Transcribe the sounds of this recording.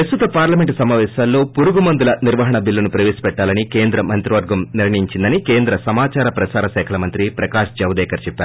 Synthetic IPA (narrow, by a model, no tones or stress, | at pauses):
pɾɐst̪ut̪ɐpaːɾlɐmeɳʈsɐmaːʋɛːsaːlːo̞ːpuɾuɡumɐnd̪ulɐniɾʋɐɦɐɳɐbilːɐnupɾɐʋeːsi̥pɛʈːaːlɐnikeːnd̪ɾɐmɐnt̪ɾiʋɐɾɡɐmniɾɳɐjiɲt͡ʃind̪ɐnikeːnd̪ɾɐsɐmaːt͡ʃaːɾɐpɾɐsaːɾɐʃɛːkʰɐlɐmɐnt̪ɾipɾɐkaːʂd͡ʒɐʋd̪ɛːkɐɾt͡ʃɛpːaːɾu